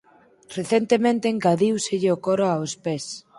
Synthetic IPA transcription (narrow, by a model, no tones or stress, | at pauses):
reθent̪emẽnt̪eːŋɡaðiwseʎeokoɾaaospes